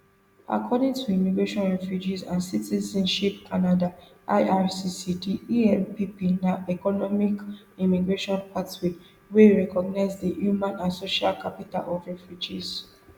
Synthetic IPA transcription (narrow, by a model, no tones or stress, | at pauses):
a̰kʰɔdĩŋtʰuimiɡɹeʃɔ̃nɹɛfjud͡ʒizãnsitizɛ̃nʃip̚kʰanada | ʔa̰ɪʔaɹsisitiiɛmpipinaɛkɔnɔmik | imiɡɹeʃɔ̃npʰatwik | weɹɛkɔɡ̚naɪzdihjumãnãnsoʃalkʰapita̰lɔvɹɛfjud͡ʒiz̥